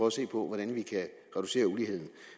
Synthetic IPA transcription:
ɒse̝̰ːpʰɒ̽ʋɒɾ̥ænʋikʰæ | ʁɛd̥use̝̰ːɐulihe̝ð̞̰ˠn̩

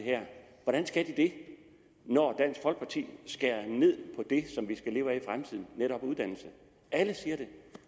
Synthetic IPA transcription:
ɦæɐ̰ | ʋɒɾ̥ænsɡ̥æd̥id̥e̝ | nɒd̥æn̰sɡ̥fɒ̽l̰ɡ̥̚pʰɑ̈t͡sʰḭːsɡ̥æɐne̝ð̞̰ˠpʰɒ̽d̥e̝sɒ̽mʋisɡ̥æle̝ːʊæifʁamt͡sʰið̰ˠn̩nːeɾɒ̽b̥uðˠdænl̩sə | æləsiːɐɾ̥e̝

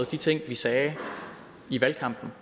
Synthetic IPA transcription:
ð̩ˠd̥it͡sʰe̝ŋ̰ʋisɛː | iʋælkʰɑ̈m̰b̥n̩

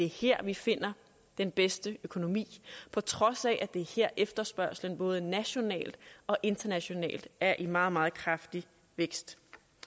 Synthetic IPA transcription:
d̥e̝heɐ̰ʋife̝n̰ɐ | d̥enb̥esd̥əøkʰo̝no̝mḭːpʰɒ̽t͡sʰʁɒ̽sɛʔæd̥e̝heɐ̰ʔefd̥ɐsb̥ɶɐslənb̥ɔ̽ːð̞̩ˠənæɕo̝nɛ̰ːld̥ɒ̽ʔe̝nd̥ɐnæɕo̝nɛ̰ːld̥æɐʔimɑ̈ːð̞̩ˠmɑ̈ːð̩ˠkʰʁɑfd̥i | ʋeɡ̥sd̥

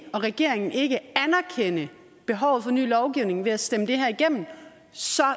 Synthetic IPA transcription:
ɒ̽ʁɛɡ̥e̝ɐ̰eŋn̩e̝ɡ̥əænɐkʰen̰ə | b̥e̝ɦɒʊð̩ˠfɒ̽ny̰ːlɒʊɡ̥iʊne̝ŋʋe̝æsd̥eməd̥e̝ɦæɐiɡ̥em̰mn̩ | sɒ̽

